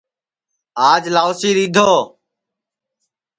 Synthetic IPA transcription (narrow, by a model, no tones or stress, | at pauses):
aːd͡ʒlaːʊsiːɾiːd̪ʱoː